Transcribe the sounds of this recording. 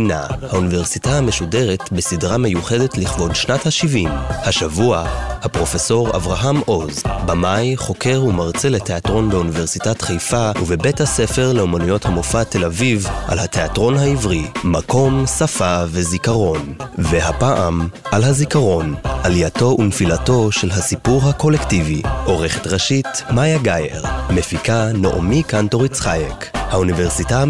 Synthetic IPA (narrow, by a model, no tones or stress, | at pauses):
ina̰haunive̞ʁsitaame̞ʃude̞ʁetbesidʁame̞juχe̞de̞tliχvo̞dʃnathaʃivimhaʃavuahapʁo̞fe̞so̞ʁa̰vʁaɦamʔo̞zbamajχo̞ke̞ʁumaʁt͡selete̞atʁo̞nbeunive̞ʁsitatχejfauvebe̞thase̞fe̞ʁle̞omanujo̞thamofate̞lavivʔa̰lhateatʁo̞nɦaivʁimako̞msafave̞zikaʁo̞nveɦapaʔamʔalɦazikaʁo̞nʔalijato̞ʔunfilato̞ʃe̞lɦasipuʁhako̞lektiviʔo̞ʁeχe̥tʁaʃitmajaɡajḛʁmefikano̰ʔo̰mikanto̞ʁit͡sχajekhaunive̞ʁsita